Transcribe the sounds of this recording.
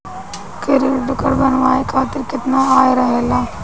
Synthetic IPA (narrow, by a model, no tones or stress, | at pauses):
kɪɾiʈʊkəɾbɐnʋaːekʰaːt̪ɪɾkɪt̪naaːeɾɐɦeːlaː